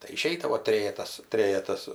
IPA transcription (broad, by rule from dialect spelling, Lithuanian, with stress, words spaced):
tɐɪ ɪˈʃʲɛɪdɐʋoː ˈtʲrʲeːjɛtɐs ˈtʲrʲeːjɛtɐs